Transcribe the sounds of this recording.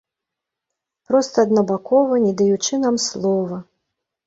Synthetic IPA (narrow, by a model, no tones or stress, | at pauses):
pɾɔst̪ɐːd̪nɐbakɔvɐnʲɛd̪ɐjut͡ʂɨnamslˠɔvɐ